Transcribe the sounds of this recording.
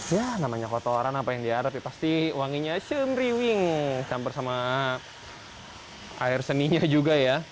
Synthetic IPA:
janamaɲakot̪oɾanapajaŋdiaɾapjapast̪iwaŋiɲat͡ʃəmɾiwɪŋt͡ʃambərsama | aɪrsəniɲad͡ʒuɡaja

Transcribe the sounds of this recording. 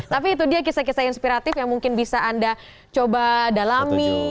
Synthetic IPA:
t̪apiːt̪̬udiak̬isak̬isainspiɾat̪ɪfjaŋmuŋkɪnbisaːnda | t͡ʃobadalami

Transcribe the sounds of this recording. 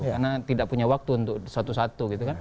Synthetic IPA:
karnat̪idaʔ̚puɲawak̚t̪uːnt̪ʊk̚sat̪usat̪uɡit̪ukan

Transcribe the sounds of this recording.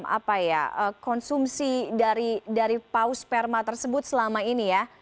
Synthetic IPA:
mʔa̰paja̰əkɔnsumsidaɾidaɾipauspɛrmat̪ərsəbʊt̪̚səlamainija

